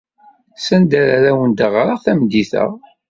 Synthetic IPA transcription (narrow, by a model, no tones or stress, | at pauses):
sænd̪æɾaɾæwənd̪əʁɾəʁθæmd̪iθə̰ʁ